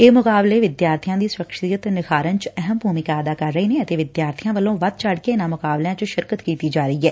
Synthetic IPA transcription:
eːmʊkaːbleːʋɪd̪jaːɾt̪ʰijãːd̪iːsʊɾəkʃijət̪nɪkʰaːɾənt͡ʃɛɦəmbʱuːmɪkaːəd̪aːkəɾːəiːneːət̪eːʋɪd̪jaːɾt̪ʰijãːʋəlõːʋət̪̚t͡ʃəɽkeːɪnãːmʊkaːbljãːt͡ʃʃɪɾkət̪kiːt̪iːd͡ʒaːɾəiːɦɛː

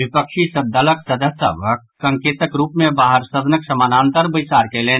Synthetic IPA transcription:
bʱipəkʃisəd̪ʱːələksəd̪ʱəsə̰bə | sə̃ŋkeːt̪əkɾuːpmẽbaːɦəɾsəd̪ənəksəmaːnãːnt̪əɾbəɪsaːɾkeleː

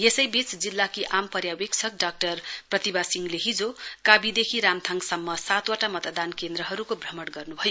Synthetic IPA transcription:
jesʌjbit͡sd͡zilːakiʔampʌɾjawek̚t͡sʰʌk̚ɖak̚ʈʌrprʌt̪ibasiŋleɦid͡zokabid̪ekʰiɾamt̪ʰaŋsʌmːʌsat̪waʈamʌt̪d̪ankend̪ɾʌɦʌɾukobʱrʌmʌɽɡʌrnubʱʌjo

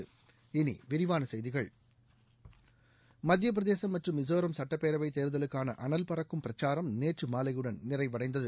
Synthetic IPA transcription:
ɯ | ɪnḭʋɪɾɪʋaːnɐsɛjðɪɣɐɭ | mɐd̪jɐp̬ɪɾɐðeːsɐmːɐʈrɯmːɪsoːɾɐmsɐʈːɐpːeːɾɐʋɐɪt̪eːɾðɐlɯkːaːnɐ̰ʔɐnɐlpɐɾɐkːɯmpɪrɐt͡ʃːaːɾɐmneːʈrɯmaːlɐjɯɽɐnnɪrɐɪʋɐɽɐɪnd̪ɐðɯ

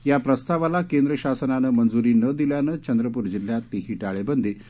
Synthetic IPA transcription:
japɾəst̪aʋalakend̪ɾəɕasənanəmənd͡zuɾiːnəd̪iljanət͡ɕənd̪ɾəpuːɾd͡ʑil̤jat̪ːiɦiːʈaɭebənd̪ʱiː

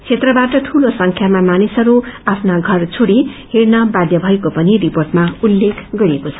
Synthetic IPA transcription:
t͡sʰet̪rʌbaʈʌt̪ʰulosʌŋkʰjamamanisʌɾuapʰnaɡʱʌrt͡sʰoɽiheɾnʌbad̪jʌbʱʌekopʌniriporʈmaulːekʰɡʌɾiekot͡sʰʌ

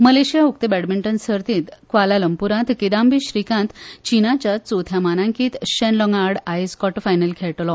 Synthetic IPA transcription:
məleɕijauk̚t̪ebɛɽmiɳʈənsəɾt̪ĩːt̪kʋalaləmpuɾãt̪kid̪ambiɕɾikãnt̪t͡ɕinat͡ɕjat͡sot̪ʰjamanãŋkiːt̪ɕɛnlɔŋaɽajskɔʈfajnəlkʰɛɭʈlɔ

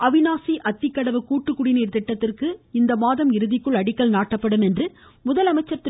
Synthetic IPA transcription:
ɐʋɪnaːsiʔɐt̪ːɪkːɐɽɐʋɯkuːʈːɯkːʊɽɪniːɾt̪ɪʈːɐt̪ːɪrkɯɪnd̪ɐmaːðɐmɪɾɯðɪkːɯɭɐɽɪkːɐlnaːʈːɐpːɐɽɯmɛndrɯmʊðɐlɐmɐɪt͡ʃːɐɾt̪ːɪ

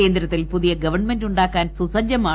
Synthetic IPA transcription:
e̞ːnd̪ɾɐt̪ːilpuðijɐɡɐʋɐrɳmenduɳɖaːkːaːnsusɐd͡ʑjɐmaː

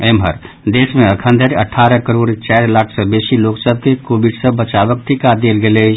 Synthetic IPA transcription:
emɦəɾ | d̪eːsmẽəkʰə̃nd̪ʱəɾəʈʰːaːɾəkəɾoːɽt͡ʃɛːɾlaːkʰsə̃beːsiloːksəb̚ʱkekoːbiɖsəbət͡ʃaːʋək̚ʈ̪ʰikad̪eːlɡele

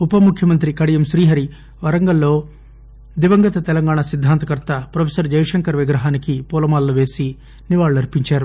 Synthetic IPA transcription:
upɐmukʰjɐmɐnt̪̬ɾikɐɽijɐmʃɾiːɦɐɾi | ʋɐɾɐŋɡɐlːo̞ː | d̪iʋɐŋɡɐt̪ɐt̪ɛlɐŋɡaːɳasid̪ʱːaːnt̪ɐkɐɾt̪ɐpɾɐpʰesɐɾd͡ʒɐjɐʂɐŋkɐɾʋiɡɾɐɦaːnikipuːlɐmaːlːuʋe̞ːsi | niʋaːɭːuɐɾipiɲt͡ʃaːɾu

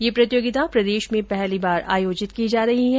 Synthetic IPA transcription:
jeːpɾɐt̪joːɡɪt̪apɾɐd̪eːʃmẽpɛɦlibaːɾʔa̰ːjoːd͡ʒɪt̪kid͡ʒaːɾɐɦiɦɛ̃

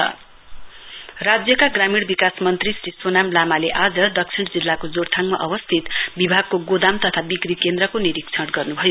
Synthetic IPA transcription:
ʌ̰ | rad͡zjʌkaɡramiɽbikasmʌnt̪risɾiswonamlamaleʔad͡zʌɖʌk̚sʰiɳɽd͡zilːakod͡zoɽt̪ʰaŋmaʔʌbʌst̪ʰit̪bibʱaɡ̚koɡod̪amt̪ʌt̪ʰabikrikend̪ɾʌkoniɾikt͡sʰʌɽɡʌrnubʱʌjo

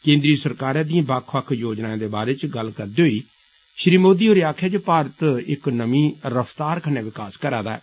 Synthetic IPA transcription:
kẽːnd̪ɾiːsəɾkaːɾãːd̪ĩjãːbəkʰʋəkʰjoːd͡ʒnaːẽːd̪eːbaːɾeːt͡ʃɡəlkəɾd̪eːɦoːiː | ʃɾiːmoːd̪iːɦoːɾiaːkʰɛːt͡ʃːpaːɾət̪ɪknəmĩːɾəpʰt̪aːɾkʰəneːʋɪkaːskəɾaːd̪aːɛ̰ː

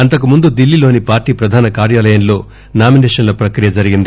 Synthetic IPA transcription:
ɐnt̪ɐkumund̪ud̪ilːilo̞ːnipaːɾʈiːpɾɐd̪ʱaːnɐkaːɾjaːlɐjɐnlo̞ː | naːmineːʂɐnlɐpɾɐkɾijɐd͡ʒɐɾiɡind̪i

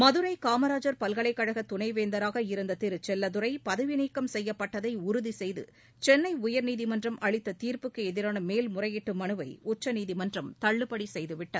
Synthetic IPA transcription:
mɐðɯɾɐɪkaːmɐɾaːd͡ʒɐɾpɐlɣɐɭɐɪkːɐɻɐɣɐt̪ʊnɐɪʋeːnd̪ɐɾaːɣɐɪɾɯnd̪ɐt̪ɪɾt͡ʃɛlːɐðɯɾɐɪpɐðɐʋɪniːkːɐmsɛjːɐpːɐʈːɐðɐɪʊɾʊðisɛjðɯ̰ | t͡ʃɛnːɐɪʊjɐɾniːðimɐndrɐmʔɐɭɪt̪ːɐt̪iːɾpɯkːɯɛðɪɾaːnɐmeːlmʊrɐjɪʈːɯmɐnɯʋɐɪʊt͡ʃːɐniːðimɐndrɐmt̪ɐɭːɯpːɐɽisɛjðɯʋɪʈːɐð

